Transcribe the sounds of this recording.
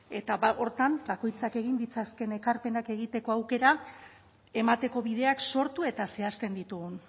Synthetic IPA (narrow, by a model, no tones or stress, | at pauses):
e̞t̪aβao̞ɾt̪ambako̞jt͡sake̞ɣ̞ind̪it͡saske̞ne̞kaɾpe̞nake̞ɣ̞it̪e̞ko̞awke̞ɾa | e̞mat̪e̞ko̞βið̞e̞akso̞ɾt̪ue̞t̪ase̞ast̪e̞nd̪it̪uɣun